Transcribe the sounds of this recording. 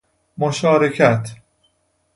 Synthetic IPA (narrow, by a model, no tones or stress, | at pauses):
moʃɒːɾecʰæt̪ʰ